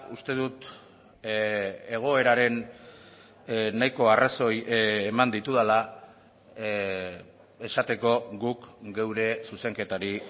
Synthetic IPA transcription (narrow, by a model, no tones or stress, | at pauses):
ust̪e̞ð̞ut̪ | e̞ɣ̞o̞e̞ɾaɾe̞n | najko̞araso̞jːmand̪it̪uð̞ala | e̞sat̪e̞ko̞ɡukɡe̞wɾe̞suse̞ŋke̞t̪aɾi